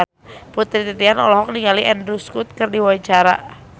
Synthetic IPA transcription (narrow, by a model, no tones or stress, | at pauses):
put̪ɾit̪it̪ianɔ̰lɔɦɔk̚niŋaliʔɛndɾuskut̪̚kɨrdiwait͡ʃaɾa̰